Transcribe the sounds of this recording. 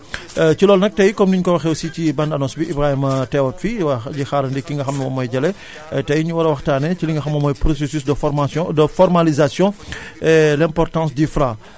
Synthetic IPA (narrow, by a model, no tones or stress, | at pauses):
cilɔːlnɐk̚tɐjkɔmniɲkɔwɐxɛwsicibɐndɐnɔ̃nsbiʔibɾaimɐtɛwɔtfiwɐɟixaːɾɐndikːiŋɡɐxɐmnɐmɔ̰mɔjɟɐlɛ | tɐjɲuwɐɾɐwɐxtaːnɛciliŋɡɐxɐmːɐmɔːjpɾɔsesysdfdəfɔrmalizasjɔ̃ɛlɛ̃mpɔrtɑ̃s̬difɾa